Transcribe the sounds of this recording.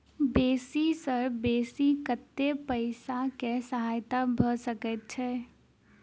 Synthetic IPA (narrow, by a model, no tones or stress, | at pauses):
beːsisəɾbeːsikət̪ːepəɪsakesəɦaːjt̪abʱəsəkət̪̚t͡ʃʰɛː